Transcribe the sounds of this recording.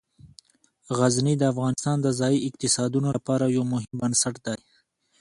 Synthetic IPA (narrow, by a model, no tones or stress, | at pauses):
ɣaznid̪əːfɣɑːnɪst̪ɑːnd̪əzɑːiɪq̚t̪ɪsɑd̪unolapɑːɾajowmʊɦɪmbənsaʈd̪aj